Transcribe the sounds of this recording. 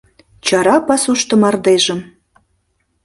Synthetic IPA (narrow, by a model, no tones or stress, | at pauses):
t͡ɕɑɾɑpɑsuʃt̪ə̆mɑrd̪eʒə̆m